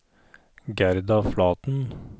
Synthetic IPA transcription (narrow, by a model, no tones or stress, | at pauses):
ɡæɾd̪ɑflɑːt̪n̩